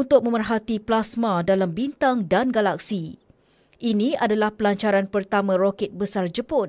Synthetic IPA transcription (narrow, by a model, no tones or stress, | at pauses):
unt̪ʊk̚mə̃mərɦat̪iplasmãdalambint̪aŋdanɡalak̚si | ʔiniadalahpəlaɲt͡ʃaɾanpərt̪amãrokɛt̪̚bəsard͡ʒəpʊt̪